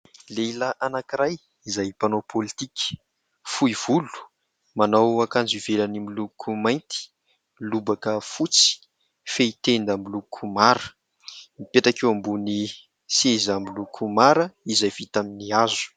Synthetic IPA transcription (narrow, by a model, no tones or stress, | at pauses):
leilaʔanakiɾaj | izajpanopʰolit̪ikʲə̥ | fuiv̥ulu̥ | manawakand͡ziv̥elənimilukʰumajnt̪i̥ | lubakəfut͡si̥ | feit̪end̪əmbilukʰumaɾə | mipeʈ͡ʂakewambuni | sezambilukʰumaɾəizajv̥it̪aminiazu̥